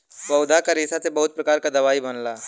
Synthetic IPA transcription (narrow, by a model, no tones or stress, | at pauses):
bɐwd̪ʱakaɾiːsasebɐɦʊt̪̚pɾɐkaːɾkad̪ɐʋaːibɐnlaː